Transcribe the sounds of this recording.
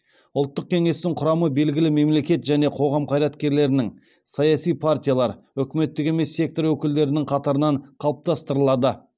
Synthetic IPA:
ʊlˠt̪ːəq̚kʲʰe̞ŋe̞st̪ɪŋqʰʊɾɑməbe̞lɡʲɪlɪme̞mle̞kʲe̞t̪ʒæne̞qʰo̞ʁɑmqʰɑjɾɑt̪kʲe̞ɾle̞ɾɪnɪŋ | sɑjɑsijpʰart̪ʲijalˠɑɾʏkʲɪme̞t̪ːɪɡʲe̞me̞sːe̞k̚t̪o̞ɾwɵkʲɪld̪e̞ɾɪnɪŋqʰɑt̪ɑɾənɑɴqʰɑlˠəp̚t̪ɑst̪əɾəlˠɑd̪ə

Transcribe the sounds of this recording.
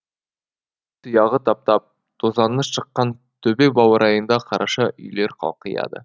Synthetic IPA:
t̪ʰəjɑʁət̪ʰɑp̚t̪ɑp̚ | t̪ʰozɑnːəsʃəqːɑn | t̪ʰɵbekbɑwəɾʔɑjənd̪ɑqʰɑɾʔɑʃɑʔʏ̰jle̞ɾqʰɑ̰lˠqəjɑ̰d̪ə̰

